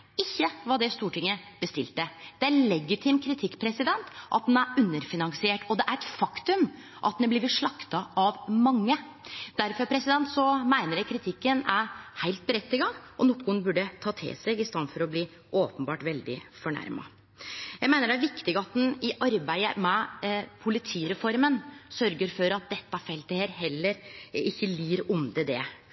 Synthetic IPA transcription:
ɪçːəʋɑd̪ɛst̪uːʈʰɪŋːəb̥əst̪ɪ̰lt̪əd̪̥ɛælɛɡɪt̪ʰɪmkʰɾɪt̪ʰɪkːpʰɾɛsɪd̪ɛnt̪ʔɑ̰t̪̚d̪næɾʉnːəɾfɪnɑŋsɪeːʈɔd̪ɛʔæɾɛt̪fɑkt̪ʉm | ʔɑt̪̚d̪ɛblɪʋɪʂɭɑkt̪ɑɑʋmɑŋːə | d̪̥æɾfɔɾpʰɾɛsɪd̪ɛnt̪sɔmæɪnəɾjɛkʰɾɪt̪ʰɪkːənæɾhæɪlt̪̚bəɾɛt̪ːɪɡɑʔɔnʊkːʊənbʉɖət̪ʰɑːt̪ʰɪ̰lseːɡɪst̪ɑnfɔɾɔbliː | ʔoːpənbɑːʈʋɛld̪ɪ̰fɔɳæ̰ɾmɑ̰ | jæɪmæɪnəɖæɾʋɪkt̪ɪɡɑt̪̚d̪n̩ɪʔɑɾbæɪə̰mɛpʰʊlɪt̪ʰiːɾɛfɔɾmənsœɾɡəɾfɔɾɑt̪̚d̪ɛt̪ːɑfɛlt̪əheːɾɦɛlːəɾɪçːəliːɾʊnd̪əd̪ɛ̰

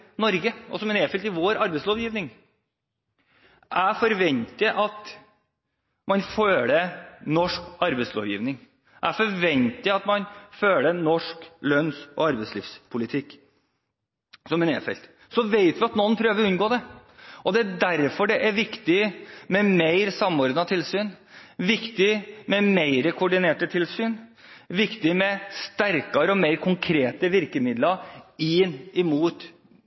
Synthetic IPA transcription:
nɔɾɡəɔ̰sɔmɛneːfɛlt̪ɪʋoːɾɑɾbɛɪsloːʋjiːʋnɪŋ | ʔæfɔɾʋɛnt̪əʔɑt̪ | mɑnføːlənɔʂkɑɾbɛɪslo̰ːʋjḭːʋnɪŋ | ʔæfɔɾʋɛnt̪ɪɑt̪mɑnføːlənɔʂklœnsʔɔ̰ɑɾbɛɪslḭːfspʰʊlɪt̪ʰɪkː | sɔmɛnḛːfɛ̰lt̪ | sɔʋeɪt̪ʋɪɑt̪nɔnːpʰɾøːʋəɾʉnɡoːd̪ɛɔd̪ɛæɖæɾfɔɖɛʔæɾʋɪkt̪ɪmɛmeɪɾsɑmːɔɾd̪ɑt̪ʰɪlsyːnʋɪkt̪ɪmɛmeɪɾəkʰʊʊɖɪneːʈət̪ʰɪlsyːn | ʋɪkt̪ɪmɛst̪æɾkɑɾəɔmeɪɾkʰʊŋkʰɾeːt̪əʋɪɾkəmɪd̪lɑɪnɪmuːt̪

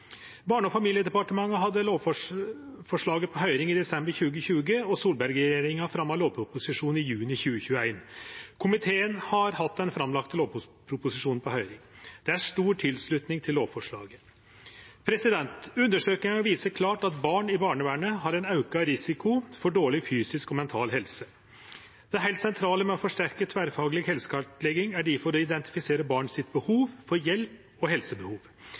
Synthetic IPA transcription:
bɑːɳəɔfɑmiljəd̪ɛpɑʈəmɑŋːəɦɑd̪ːəloːʋfɔ | fɔʂɭɑːɡəpʰɔɦœʏɾɪŋɪd̪ɛsɛmbəɾçʉːɡəçʉːɡəɔsuːlbæɾɡəɾeːɾɪŋɑfɾɑmːɑloːʋpʰɾʊpʊsɪʂuːnɪjʉːnɪçʉːəçʉːəæɪnkʰʊmɪt̪ʰeːənhɑɾhɑt̪ːd̪ɛnfɾɑmlɑkt̪əloːʋppʰɾʊpʊsɪʂuːnn̩pʰɔhœʏɾɪŋd̪̥ɛæʂt̪uːʈʰɪlsɭʉt̪nɪŋt̪ʰɪloːʋfɔʂɭɑ̰ːɡə | pʰɾɛsɪd̪ɛnt̪ʉnd̪əʂøːknɪŋɔʋiːsəkʰlɑːʈɑt̪bɑːɳɪbɑːɳəʋæːɳəhɑɾɛnɑʉkɑɾɪsɪkʊfɔɖoːɭɪfyːsɪskɔmɛnt̪ʰɑːlɦɛlsə | d̪̥ɛæɾɦæɪlt̪sɛnt̪ʰɾɑːləmɛɔfɔʂʈæɾkət̪ʰʋæːɾfɑːɡəlɪɡhɛlsə̥kʰɑʈlɛɡɪŋæɖɪfɔɾɔɪd̪ɛnt̪ɪ̥fɪseːɾəbɑːɳsɪt̪̚bəhuːʋfɔɾjɛlp | ɔɦɛlsəbəhuːʋ

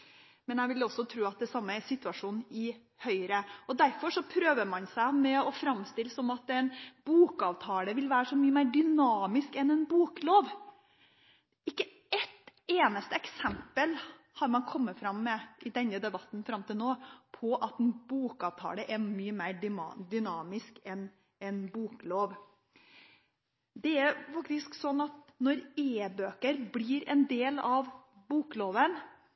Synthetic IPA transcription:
mɛnæɪʋɪlɔsːɔt̪ʰɾʉːɑt̪̚d̪ɛsɑmːəɛsɪt̪ʉɑʂuːnnɪ | hœʏɾəɔd̪æɾfɔʂɔpʰɾøːʋəɾmɑnsæɪmɛɔfɾɑmːst̪ɪləsɔmɑt̪ɛnbuːkɑːʋt̪ʰɑːləʋɪlʋæːɾəʂɔmyːəmæɪɖʏnɑːmɪskɛnɛnbuːkloːʋ | ɪkːə | ɛt̪eːnəst̪əɛksɛmpəl | hɑɾmɑnkʰɔmːəfɾɑmːɛɪd̪ɛnːəd̪ɛbɑt̪nfɾɑmt̪ɪlnoːpʰɔʔɑt̪ɛnbuːkɑːʋt̪ʰɑ̰ːləʔɛmyːəmæɪɖd̪ʏnɑːmɪskɛn | ɛnbuːkloːʋ | d̪ɛɛɾfɑk̚t̪ɪsksɔnːɑt̪̚nɔɾeːbøːkəɾbliːɾɛnd̪eːlɑʋ | buːkloːʋən

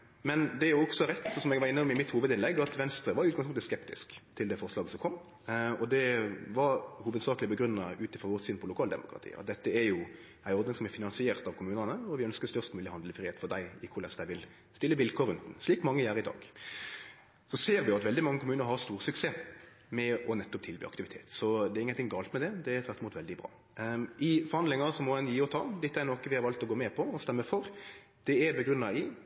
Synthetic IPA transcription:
mɛnd̪ɛæɾjʊɔksɔɾɛt̪ːɔsɔmɛɡʋɑɾɪnːəpɔmɪmɪt̪huːʋəd̪ɪnlɛɡːɑt̪ʋɛnst̪ɾəʋɑɾʉːt̪ɡɑŋspʊŋt̪əskɛpt̪ɪ̰skt̪ʰɪld̪ɛfɔʁslɑːɡəsɔmkʰɔmː | ɔd̪ɛʋɑɾhuːʋəd̪sɑːklɪəbəɡɾʉnːəʉːt̪əfʁɔʁʋɔt̪syːnpʰɔlʊkʰɑːld̪ɛ̰mʊ̰kʰʁɑ̰t̪ʰḭːɑ̰t̪̚d̪ɛt̪ːəɛɾjʊ | æɪɔɾd̪nɪŋsɔmɛfɪnɑnsɪeːʁt̪ɑʋkʰʊmʉːnənəɔʋɪœnskəst̪œʁst̪mʉːlɪhɑnd̪ləfɾiːeːt̪fɔʁd̪æɪɪkʰʊɾɭɛsd̪æɪʋɪl | st̪ɪlːəʋɪlkʰoːɾʉnt̪n̩sliːkmɑŋːəjæːɾɪd̪ɑ̰ːɡ̥ | sɔseːɾʋɪɑt̪ʋɛld̪ɪmɑŋːəkʰʊmʉːnəɾɦɑɾst̪uːɾsʉkseː | mɛɔnɛt̪ːɔp̚t̪ʰɪlby̰ːɑ̰kt̪ɪʋɪt̪ʰḛːt̪sɔd̪ɛɾɪŋənʰɪŋːɡɑːlt̪mɛd̪ɛd̪ɛɛɾt̪ʰʋæt̪ɪmuːt̪ʋɛld̪ɪbʁɑ̰ː | ʔɪfɔɾhɑnd̪lɪŋɑsɔmɔɛnjiːɔt̪ʰɑ̰ːd̪ɪt̪ːɛɾnoːkəʋɪhɑɾʋɑlt̪ɔɡoːmɛpʰɔɔst̪ɛmːəfɔɾ | d̪̥ɛæɾbɛɡɾʉnːɑɪ

